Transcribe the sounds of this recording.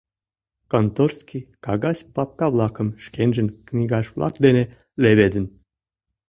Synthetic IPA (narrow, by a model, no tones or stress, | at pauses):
kont̪orskʲikɑɡɑsʲpɑp̚kɑβlˠɑkə̆mʃkenʲʒə̆nknʲiɡɑʃvlʔɑ̰kd̪ene | leβed̪ə̆n